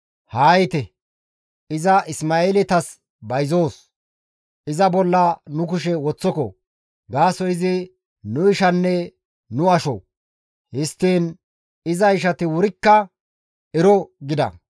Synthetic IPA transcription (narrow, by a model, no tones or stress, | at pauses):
haːjɪt̪ɛ | ɪzɐʔɪsmaːeːlɪt̪ɐs | bɐjzoːs | ɪzɐbɔlːɐnʊk̬ʊʃɛwɔt͡sːɔkɔ | ɡaːsɔɪzɪ | nʊɪʃɐnːɛ | nʊɐʃɔ̰ | hɪst̪ːiːn | ɪzɐɪʃ̬ɐt̪ɪwʊɾɪkːɐ | ɛɾɔɡɪd̪ɐ̰